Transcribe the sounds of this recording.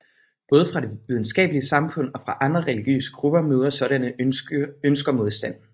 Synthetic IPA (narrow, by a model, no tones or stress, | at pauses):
b̥ɔ̽ːð̞ˠəfʁɑ̈d̥e̝ʋið̞ˠn̩sɡ̥ɛ̰ːb̥əliəsɑ̈mfɔ̽n̰ɒ̽fʁɑ̈ʔɑ̈nd̥ʁɐʁɛliɡ̥jø̰ːsə̥ɡ̥ʁub̥ɐmøːðˠɐsɒ̽ɾænə | ønsɡ̥ɐmo̝ð̞ˠsd̥æn̰